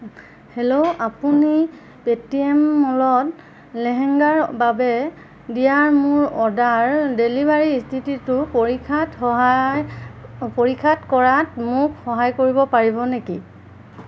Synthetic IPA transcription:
helowapuni | betiɛmːɔlɔt | lɛɦɛŋɡaɹbabɛ | dijaɹmʊɹɔdaɹdelibaɹistʰititʊpoɹikʰatɔɦajpoɹikʰatkɔɹatmʊkxɔɦajkoɹibɔpaɹibɔneki

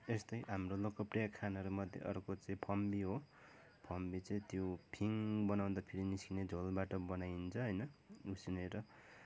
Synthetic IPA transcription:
est̪ʌjɦamrolokʌprijakʰanʌɾomʌd̪ʱjḛʔʌrkot͡sʌĩpʰʌmbiɦo | pʰʌmbit͡sʌĩt̪jopʰiŋbʌnaw̃nd̪apʰeɾiniskined͡zʱolbaʈʌbʌnajnt͡sʰʌɦʌjnʌusineɾʌ

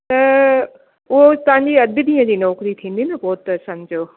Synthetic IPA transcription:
t̪ɐ | ʊɦot̪ɐʋ̤ɦãɲd͡ʑiɐd̪ʱɪd̪ĩːə̃d͡ʑiːnɔːkɾit̪ʰĩːn̆d̪inɪbɔːt̪ɐsãɲd͡ʑoː

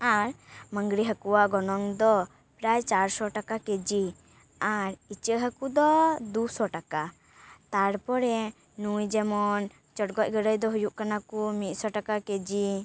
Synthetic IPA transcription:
aɾməŋɡɾiɦəkuwaɡɔnɔŋd̪ɔ | pɾajt͡ʃaɾsɔʈakaked͡ʒi | aɾit͡ʃəʔɦəkud̪ɔd̪usɔʈaka | t̪aɾpɔɾɛ | nujd͡ʒɛmɔn | t͡ʃɔʈ̚ɡɔc̪̚ɡəɽəjd̪ɔɦujuʔkanakumit̪̚ˀsɔʈakaked͡ʒi

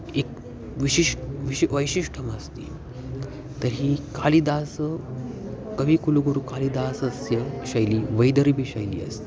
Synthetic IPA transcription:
ek | ʋiɕiʂʈʋiɕiʋəjɕiʂʈʰəməst̪ḭː | t̪əɾɦiːkaliːd̪asə | kəʋiːkuluɡoɾuːkaliːd̪asəsjəɕajliːʋəjd̪əɾibʱiːɕajlḭːə̰st̪i̥

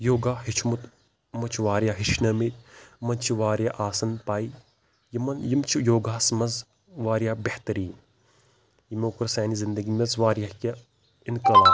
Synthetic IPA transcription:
joːɡaːɦit͡ʃʰmut̪ | mɐt͡ʃʰiʋaːɾjaːɦiʃnɐmit̪̚ʲmɐnt͡ʃʰiʋaːɾjaʔaːsɐnpaːi | jimɐnjimt͡ʃʰijoːɡaːsmɐz | ʋaːɾijaːbeht̪ɐɾiːn | jimoːkɾɐsaːnizind̪ɐɡimʲɐzʋaːɾjakʲɐ | inkɐlaː

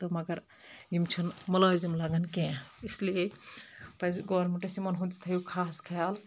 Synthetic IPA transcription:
t̪ɐmɐɡɐɾ | ɡimt͡ʃʰɐnmɐlazimlaɡɐnkẽislie | pɐsɡɔːɾmuʈesimɐnɦũt̪it̪ʰɐjukʰaːskʰɐjal

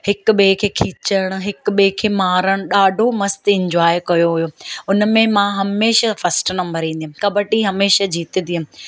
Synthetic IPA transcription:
hɪkʊ̆ɓekʰeːkʰiːt͡ɕəɽ̃ʊ̆ɦɪk̆ɓekʰeːmaːɾəɽ̃ʊ̆ɗaːɖʱomɐst̪ɪ̃ɲd͡ʑwaːjkɐjoɦujoːʊnəmẽmãɦɐmeːʃafɐsʈnɐ̃mbəɾĩːnd̪iɦumɪ̆kɐbʱəʈiɦɐmeːʃad͡ʑiːt̪ə̃nd̪iɦəmɪ̆

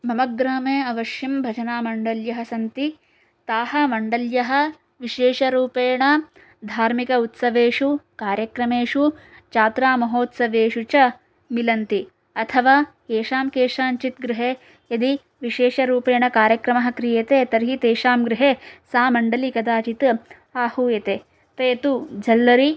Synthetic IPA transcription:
mɐmɐɡɾaːmeːɐʋɐʃjimbʱɐt͡ʃɐnaːmɐɳɖɐljɐɦɐ̆sɐnt̪i | t̪aːɦɐmɐɳɖɐljɐɦɐ̆ | ʋiʃeːʂɐɾuːpeːɳɐ | d̪ʱaːɾmikɐut̪sɐʋeːʂukaːɾjɐkɾɐmeːʂu | t͡ʃaːt̪ɾaːmɐɦoːt̪sɐʋeːʃut͡ʃɐ | milɐnt̪i | ɐt̪ʰɐʋaː | eːʃaːmkeːʃaːnt͡ʃit̪ɡɾiɦeː | jɐd̪i | ʋiʃeːʃɐɾuːpeːɳɐkaːɾjɐkɾɐmɐɦɐ̆kɾijɐt̪eːt̪ɐɾɦit̪eːʃaːmɡɾɪɦesaːmɐɳɖɐlikɐd̪aːt͡ʃit̪ | aːhuːjɐt̪eː | t̪eːt̪ud͡ʒʱɐlːɐɾi

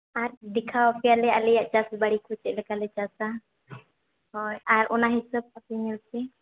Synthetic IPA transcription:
aɾdikʰawapɛjalɛalɛjaʔt͡ʃasbaɽikʰut͡ʃɛʔ̚lɛkalɛt͡ʃasa | hɔjaɾɔnaɦisəb̚apɛɲɛlpɛ

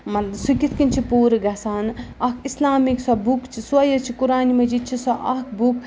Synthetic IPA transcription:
mɐsukʲit̪ʰkinʲt͡ʃʰipuːɾɨɡɐsaːnɐkʰislaːmiksɐbukt͡ʃʰisuɐjɐt͡ʃʰikuɾaːnimɐd͡ʒiːd̪̚t͡ʃʰisɐʔɐkʰbuk̚ʰ

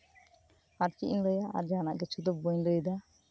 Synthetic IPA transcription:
aɾkiʔiŋləjaʔa̰ɾd͡ʒanaʔɡɛt͡ʃud̪ɔb̚bɔɲləjd̪a

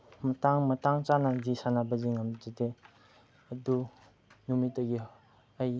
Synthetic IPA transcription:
mɐtaŋmɐtaŋt͡ʃanazisanabɐziŋamzade | ɐdu | numit̚dɐɡi | aj

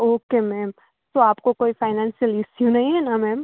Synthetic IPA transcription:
oːkemɛːm | t̪oaːpkokoːifaːɪnãːnsijəlɪsjunɐɦĩɦɛnamɛːm

